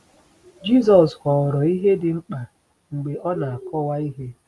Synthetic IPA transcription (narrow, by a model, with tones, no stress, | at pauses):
d͡ʒi˦s̬ɔ˨skʷɔ˨ɾɔ˨i˦ɦe˦dɪ˨ŋ͡m̩˦k͡pa˨ | ŋ͡m̩˨ɡ͡be˨ɔ˦na˨a˨kɔ˦wa˦i˦ɦe˦